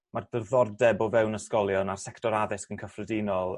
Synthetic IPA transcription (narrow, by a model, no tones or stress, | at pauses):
mardərðɔrdɛbɔvɛwnəskɔlˠjɔnar̥sɛktʰɔɾaðɪskənkʰəfrədinɔlˠ